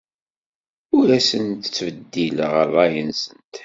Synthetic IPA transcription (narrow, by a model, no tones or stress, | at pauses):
ʊɾæsənt̪ə̥t͡sːvəd̪ːiləʁəðˤæjənsənt̪